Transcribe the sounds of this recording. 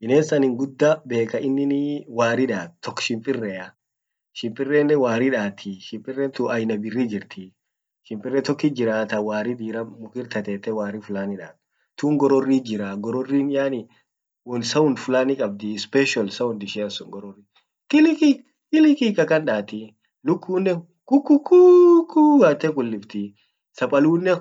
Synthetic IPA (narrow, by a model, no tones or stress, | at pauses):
ʔɪneːnsɐnɪŋɡʊd̪ːabe̞ːkɐʔɪnːɪnɪwaːɾɪᶑaːdt̪ɔkːʃɪmpʼɪrːɛɐ | ʃɪmpʼɪrːeːnːɛwaːɾɪᶑaːt̪ʰɪʃɪmpʼɪrːɛnt̪ʊʔɐjnɐbɪrːid͡ʒɪɾt̪ʰɪ | ʃɪmpʼɪrːɛt̪ɔkːɪd͡ʒɪɾaːt̪ɐwaːɾɪd̪iːɾɐmʊkɪɾt̪ɐt̪ɛːt̪ɛwaːrɪfʊlaːnɪᶑa̰ː | t̪uːŋɡɔɾɔrːiːd͡ʒɪɾaːɡɔɾɔrːiːnjaːnɪ | wɔnsɐʊnfʊlaːnɪkʼɐb̚d̪ɪspɛʃɐlsɐʊnd̪ɪʃɛːɐnsʊŋɡɔɾɔrːi | kɪlɪki | kɪlɪkikɐkɐnᶑaːt̪ɪ | lʊkːuːnːɛ | kʊkːʊkːuːkːuɡaːt̪ːɛkʊlːɪbt̪ɪ | sɐpʼɐluːnːɛ